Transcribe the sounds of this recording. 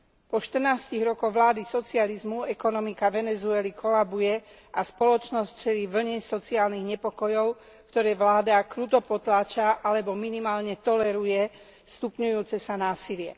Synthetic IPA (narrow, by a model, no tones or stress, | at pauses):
pɔʃt̪rnaːsciɣɾɔkɔɣʋlaːd̪isɔt͡sializmuɛkɔnɔmikaʋɛnɛzuɛlikʰɔlabujɛ | aspɔlɔt͡ʃnɔst͡ʃɛliːʋl̩ɲɛsɔt͡siaːlniɣɲɛpɔkɔjɔʊ | kt̪ɔɾɛːʋlaːd̪akɾuːt̪ɔpɔt̪laːt͡ʃaʔalɛbɔminimaːlɲɛt̪ɔlɛɾujɛ | st̪upɲujuːt͡sɛsanaːsilɪɛ̰